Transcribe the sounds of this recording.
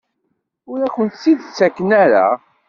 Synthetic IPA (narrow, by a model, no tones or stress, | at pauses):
ʊɾækʷənt̪sːiðt͡sːækːənæɾa̰